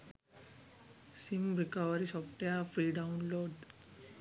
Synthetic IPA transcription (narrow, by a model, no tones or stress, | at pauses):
simɾikaʋəɾisɔfʈejafɾiɖaunloɖ